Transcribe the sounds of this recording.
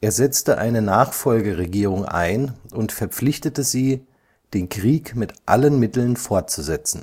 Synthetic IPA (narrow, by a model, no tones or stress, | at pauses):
ʔeːɐzɛt͡stəʔa̰ɪnənaːχfɔlɡəʁeɡiːʁʊŋʔa̰ɪnʔʊntfɛɐp͡flɪçtətəziː | d̥eːnkʁ̥iːkmɪtʔa̰lənmɪtl̩nfɔɐt̚t͡suzɛt͡sn̩